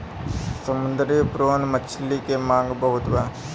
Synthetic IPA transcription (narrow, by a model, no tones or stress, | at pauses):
sɐmund̪ɐɾipɾoːnmɐt͡ʃʰːilːikemaːŋɡɐbɐɦut̪ʋa